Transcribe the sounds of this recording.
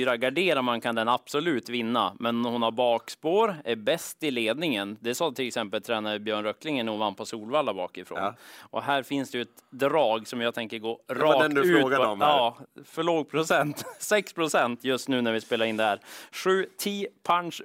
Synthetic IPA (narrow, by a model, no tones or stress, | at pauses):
ɾaɡaɖeːɾaɾmankʰand̪ɛnab̥sɔlʉ̟ːt̪vɪnːa̰mɛnhʊnhaɾbɑːkspoːɾæɾbɛst̪ɪleːd̪nɪŋənd̪ɛsɑːt̪ʰɪlɛksɛmpəlt̪ʰɾɛːnad̪əbjœːɳɾœkːlɪŋənuːvanpʰɔsuːlvalːabɑːkɪfɾo̰ːnʔɔɦæːɾfɪnsd̪ɛjʉɛt̪d̪ɾɑːɡsɔmjɑːɡt̪ʰɛŋkəɾɡoːɾɑːɛd̪ʉːt̪ːɡaɔmɑːfœɭoːɡ̚pʰɾʊsɛnt̪sɛkspʰɾʊsɛnt̪jɵst̪nʉːnæɾvɪspeːlaɾɪnd̪ɛhæːɾɧʉ̟ːt̪ʰiːpʰanʂ